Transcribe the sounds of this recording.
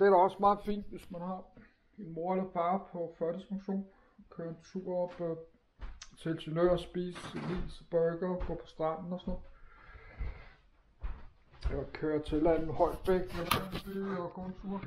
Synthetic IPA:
d̥e̝æɾæɒ̽smɑ̈ːð̩ˠfḭːnd̥ʋe̝smænhɑ̈ | e̝nmo̝ɐlæbɑ̈ːpʰɒ̽fɶɐɾ̥əsmoɕo̝̰ːn | kʰøːɐent͡sʰṵːɐɒb̥ | t͡sʰelsynøːɐsb̥ḭːslḭːsb̥ɒɡ̥ɐɡ̥ɔ̰ːpʰɒ̥̽sd̥ʁɑ̈nn̩ɒsɔnɔð̩ˠ | ɒkʰøːɐt͡sʰe̝læn̰ð̩ˠhɒ̽ɪ̰d̥ʋeɡ̥ɒsɔsyɒɡ̥ɔ̰ːnt͡sʰṵɐ

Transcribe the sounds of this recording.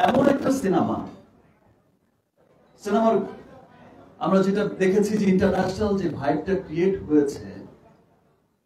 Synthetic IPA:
ɛmonɛk̚ʈasinama̰ | sinamaɾ | amɾad͡ʑeʈad̪ekʰet͡ɕʰid͡ʑeiɳʈaɾnæʃonald͡ʑebʱajb̚ʈakɾieʈɦojet͡ɕʰḛ

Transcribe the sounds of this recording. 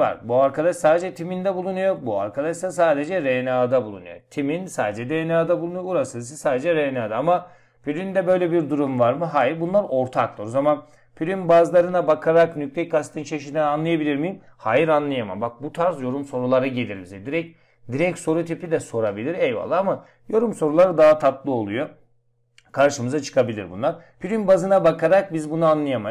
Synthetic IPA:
va̰ɾbuaɾkʰad̪aʃsaːd̪ed͡ʒɛt̪ʰimind̪ɛbulˠunujo̞bua̰ɾkʰad̪aʃd̪asaːd̪e̞d͡ʒɛɾenaːd̪abulˠṵnṵjo̰t̪ʰiminsaːd̪ed͡ʒɛd̪enaːd̪abulˠunujouɾasɯs̬ɯsaːd̪ed͡ʒɛɾenaːd̪aama | pʰylʲynd̪ɛbø̞jlʲɛbiɾd̪uɾumvaɾmɯɦaːjiɾbunlˠaɾo̞ɾt̪ʰaklˠɯɾozaman | pʰylʲynbazlˠaɾɯnabakʰaɾaknyc̚lʲɛc̚kːast̪ʰɯnt͡ʃʰaʃinaːnlˠajabilʲiɾmijim | haːjiɾanlˠajama̰mbak̚but̪ʰaɾsjo̞ɾumso̞ɾulˠaɾaɟe̞lʲiɾmizɛd̪iɾɛc̚ | d̪iɾɛcso̞ɾut̪ʰipid̪ɛso̞ɾabilʲiɾɛjva̰lˠːaːama | jo̞ɾumso̞ɾulˠaɾɯd̪aɦat̪ʰat̪lˠɯo̞lˠujo̞ | kʰaɾʃɯmɯzat͡ʃʰɯ̥kʰabilʲiɾbṵnlˠaɾpʰyɾynbazɯnabakaɾak̚bizbunaanlˠajama

